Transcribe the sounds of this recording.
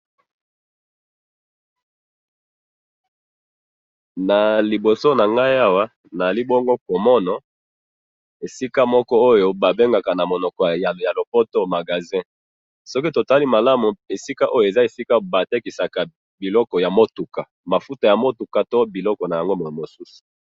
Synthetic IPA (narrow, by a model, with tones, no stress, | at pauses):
na˨li˨bo˨so˦na˨ŋɡa˦ja˦wa˦ | n˨a˨li˦bo˦ŋɡo˦ko˨mɔ˦nɔ˨ | e˨si˦ka˦mɔ˦kɔ˦o˦jo˦ba˨be˦ŋɡa˨ka˨na˨mo˨nɔ˨kɔ˨ja˨lo˨po˦to˦ma˨ɡa˨zɛ̃˦ | sɔ˦ki˦to˨ta˦li˦ma˨la˦mu˨e˨si˦ka˦ʔo˦jo˨e˨za˦e˨si˦ka˦ba˨te˦ki˨sa˨ka˨ | bi˨lɔ˦kɔ˨ja˨mo˦tu˨ka˨ | ma˨fu˦ta˨ja˨mo˦tu˨ka˨to˦bi˨lɔ˦kɔ˨na˨ja˨ŋɡo˦mo˨mo˨su˦su̥˨